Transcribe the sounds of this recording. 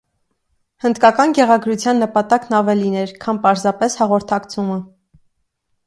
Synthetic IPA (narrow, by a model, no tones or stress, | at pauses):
hənd̪kɑkɑnɡɛʁɑɡɾut͡sʰjɑnːəpɑt̪ɑknɑvɛlinɛɾkʰɑnpɑɾzɑpɛshɑʁɔɾt̪ʰɑkt͡sʰumə